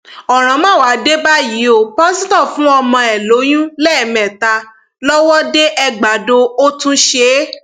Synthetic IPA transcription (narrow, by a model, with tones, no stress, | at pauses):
ɔ˨ɾ̃ã˨˦mã˦˨wa˨˦de˦ba˦ji˨˦o˦˨pɔ̃˦sĩ˦tɔ˦˨fũ˦ɔ˧mɔ̃˧ɛ˨lo˨˦j̃ũ˦lɛ˦˨mɛ̃˨ta˧ | lɔ˦wɔ˦de˦ʔɛ˧ɡ͡ba˨do˧o˦tũ˦ʃe˨˦